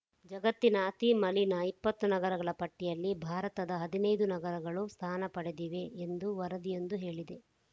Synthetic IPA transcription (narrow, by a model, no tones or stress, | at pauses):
d͡ʒɐɡɐt̪ːinɐt̪imɐlinɐipːɐt̪ːunɐɡɐɾɐɡɐɭɐpɐʈːijɐlːibʱaːɾɐt̪ɐd̪ɐɦɐd̪inɐjd̪unɐɡɐɾɐɡɐɭust̪ʰaːnɐpɐɽed̪iʋe̞ːnd̪uʋɐɾɐd̪ije̞nd̪uɦe̞ːɭid̪e̞